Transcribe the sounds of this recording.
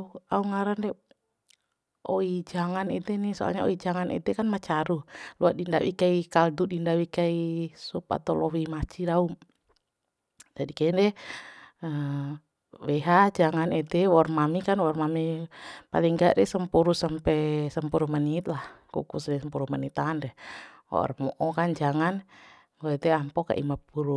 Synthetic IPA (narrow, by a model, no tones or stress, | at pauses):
auŋaɾandɛ | ʔoid͡ʒaŋanit̪ɛnisɔa̰lɲao̰id͡ʒaŋanɛ̰t̪ɛkanmat͡ʃaɾuluaʔdindawḭkaikaldudindawikaisupa̰t̪alɔwimat͡ʃidaum | d͡ʒadikaɛndɛ | ə | wɛɦad͡ʒaŋanɛd̪ɛwɔrmamikanwɔrmamipa̰liŋɡaʔɾɛsəmpuɾusampɛsəmpuɾumanit̪̚lahkṵkusdɛsəmpuɾumanit̪andɛhwɔ̰ʔrmɔʔɔkand͡ʒaŋan | ɡɔɛt̪ɛampɔka̰ʔḭmapuɾu